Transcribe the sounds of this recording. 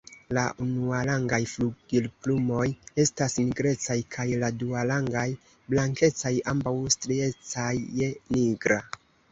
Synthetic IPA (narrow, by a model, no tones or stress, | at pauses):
laʔunualaŋɡajfluɡ̥ilplumo̞je̞stasniɡɾe̞t͡sajkʰajladualaŋɡaj | blaŋke̞t͡sajambawstɾie̞t͡sajːe̞niɡɾa̰